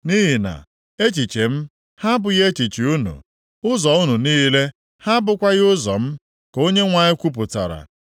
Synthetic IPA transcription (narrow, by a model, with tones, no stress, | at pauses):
ni˦ɦi˨na̰˨ | e˦t͡ʃi˨t͡ʃe˨m̩˦ | ha˦bʊ˨ɣe˦t͡ʃi˨t͡ʃi˨u˦nṵ˨ | ʊ˦zɔ˨ʊ˦nu˨niː˦le˦ | ha˦bʊ˨kʷa˦ɣɪ˦ʊ˦zɔ̰˨m̩˦ | ko˦ɲe˦ŋʷa˨ɲɪ˦kʷu˦p̬ʊ˨ta̰˨ɾa̰˨